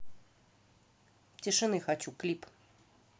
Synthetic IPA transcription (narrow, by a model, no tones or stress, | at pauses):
t͡sʲiʂɨnɨxat͡ɕʲuklʲip